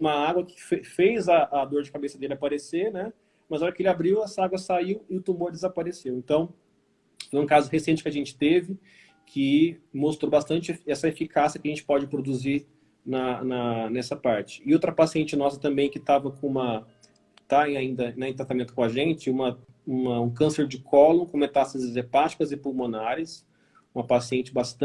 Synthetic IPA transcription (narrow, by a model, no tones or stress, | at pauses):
ũmɐaɡwɐkɪ̥fefejzɐːd̪oɾd͡ʒɪkabesɐd̪elɪapaɾeseɾnɛ | mɐzɔɾɐkɪelɪabɾiwɛsɐaɡwɐsaiwɪʊt̪umoɾd͡ʒ̪ɪzapaɾesewẽnt̪ɐ̃w̃ | fojũkazʊhesẽnt͡ʃɪ̥kɪaʒẽnt͡ʃɪ̥t̪evɪ | kʰɪmost̪ɾowbast̪ɐ̃nt͡ʃɪeɛsɐefikasiɐkɪɐʒẽnt͡ʃɪ̥pɔd͡ʒɪpɾod̪uziɾ | nɐnɐnɛsɐpaɾt͡ʃɪ̥ɪowt̪ɾɐpasiẽnt͡ʃɪnɔsɐt̪ɐ̃mbẽj̃kɪt̪avɐkõũmɐ | t̪ãaĩnd̪ɐnɐẽt̪ɾat̪amẽt̪ʊkõaʒẽnt͡ʃɪũmɐ | ũmɐũkɐ̃seɾd͡ʒɪkʰɔlõkõmet̪asɐzzepat͡ʃi̥kɐzɪpulmõnaɾɐs | ũmɐpasiẽnt͡ʃɪbast̪